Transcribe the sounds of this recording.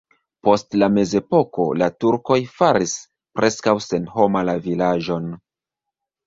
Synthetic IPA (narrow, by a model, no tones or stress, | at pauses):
po̞stlame̞ze̞po̞ko̞̰latuɾko̞jfaɾis | pɾʔe̞skawse̞nɦo̞malavilaʒo̞n